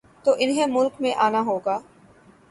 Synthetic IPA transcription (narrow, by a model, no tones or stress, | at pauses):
t̪oːʔɪnɦẽmʊlkmẽʔaːnaɦoːɡaː